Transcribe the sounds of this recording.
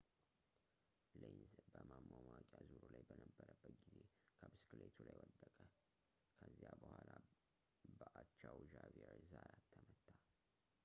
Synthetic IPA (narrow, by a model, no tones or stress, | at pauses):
lenzbəmamːomakʼazuɾulajbənəbːəɾəbːət̪ɡize | kʰəbɨskʰɨlet̪ʰulajwɔd̪ːəkʼə | kʰəzːijabəhʷala | bəʔat͡ʃːawʒavieɾzajat̪ʰːəmət̪ʰːa